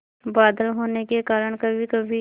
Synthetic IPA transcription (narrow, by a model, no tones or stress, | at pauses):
baːd̪əlɦoːnekekaːɾəɽ̃kɐbʱikɐbʱi